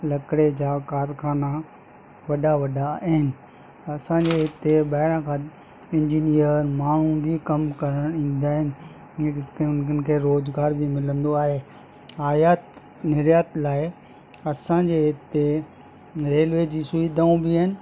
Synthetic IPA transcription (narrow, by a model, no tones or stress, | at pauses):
lɐkɽed͡ʑaːkaːɾkʰaːna | ʋɐɗaʋɐɗaɦɪnɪ̆ | ɐsãɲd͡ʑeɪt̪ebɐɦɪɾãkʰãː | ɪ̃ɲd͡ʑiːnijəɾmaːɳ̤ũbʱɪkɐmkɐɾəɽ̃ĩːn̆d̪aːɦɪnɪ | keʊnənɪ̆kʰeːɾoːzɡaːɾbʱɪmɪlə̃nd̪oaːɦeː | aːjaːt̪ | nɪɾjaːt̪laːɪ | ɐsãɲd͡ʑeɪt̪e | ɾeːlʋeːd͡ʑisʊid̪ʱaːũbʱɪəɦɪnɪ̆